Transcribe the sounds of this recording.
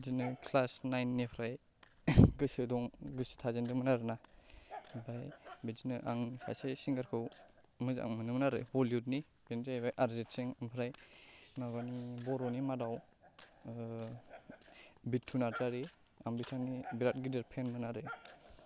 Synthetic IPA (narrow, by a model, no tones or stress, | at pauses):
zinɯkʰlasnajnːipʰɾaj | ɡɯsɯdɔŋɡɯsɯ̥tʰazendɯŋmɯnaɾɯna | bajbizinɯʔa̰ŋnipʰa̰sesiŋɡaɾkʰɯw | mɯza̰ŋmɯnɯmnaɾɯ̰hɔliut̚ni | b̥enzabajʔaɾzetseŋampʰɾaj | naɡanibɔɾɔnimadaw | bitʰːunaɾtaɾi | a̰ŋbitʰanibiɾat̚ɡideɾpʰenmɯnaɾɯ